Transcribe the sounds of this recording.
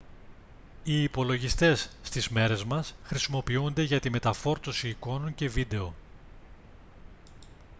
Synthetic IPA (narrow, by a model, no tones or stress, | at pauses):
iːpo̞lo̞ʝist̪e̞sːt̪izme̞ɾe̞zmɐsxɾisimo̞piund̪eʝɐt̪ime̞t̪ɐfo̞ɾt̪o̞siːko̞no̞ɲce̞vid̪e̞o̞